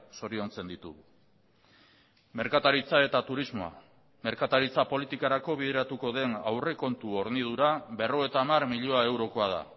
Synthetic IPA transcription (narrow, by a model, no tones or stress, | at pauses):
so̞ɾio̞nt͡se̞nd̪it̪u | me̞ɾkat̪aɾit͡sae̞t̪at̪uɾizmo̞a̰ | me̞ɾkat̪aɾit͡sapo̞lit̪ikaɾako̞β̞ið̞e̞ɾat̪uko̞ðe̞na̰wre̞ko̞nt̪uo̞ɾnið̞uɾabe̞ro̞ɣet̪aːmarmiʎo̞ae̞wɾo̞ko̞að̞a̰